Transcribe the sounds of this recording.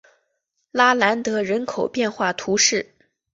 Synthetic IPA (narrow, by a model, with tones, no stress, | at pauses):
la˥la˧˥nt̪ɤ˧˥ɻə˧˥nkʰo˨˩ʊpjɛ˥˧nxwa˥˩t̪ʰu˧˥ʂɻ̩˥˩